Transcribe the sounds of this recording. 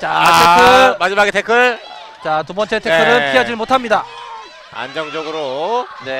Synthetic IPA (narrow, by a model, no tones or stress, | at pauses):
t͡ɕatʰekʰɯmad͡ʑimaɡitʰe̞kʰɯ | t͡ɕatubʌnt͡ɕʰe̞tʰekʰɯɾɯnpʰiʌd͡ʑiɭmotʰamɲida | a̰nd͡ʑʌŋd͡ʑʌɡɯɾone̞